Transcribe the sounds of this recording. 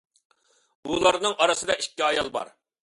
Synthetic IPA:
ulˠɑɾnɨŋʔɑɾɨsɨd̪ɑʔikʲːiɑjɑlˠbɑ̰ɾ

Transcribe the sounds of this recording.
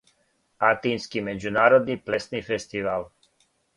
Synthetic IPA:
at̪inskimed͡ʒunaːɾod̪niplɛst̪nifest̪ival

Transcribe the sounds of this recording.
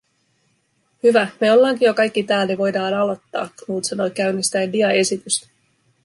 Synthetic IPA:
hyʋæmeo̞lːɑːŋkijokɑjkːit̪æːlːeʋo̞jdɑːnɑlo̞t̪ːɑ̰ːknuːt̪sɑnojkæɥnist̪æjndiɑe̞sit̪yst̪æ̥

